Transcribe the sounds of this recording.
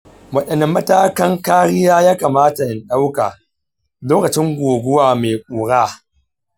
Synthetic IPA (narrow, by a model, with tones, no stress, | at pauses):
wɐ˦ɗɐ˨nɪ˦mːɐ˦taː˦kɐ˦ŋkaː˦ɽɪ˦jaː˦jaː˦kaː˨maː˦ta˨ʔɪ˨nɗa˦wkaː˨ | loː˦kɐ˨t͡ʃɪ˦ŋɡʷoː˨ɡʷʊ˦waː˨meː˨kʷʼuː˨ɽaː˦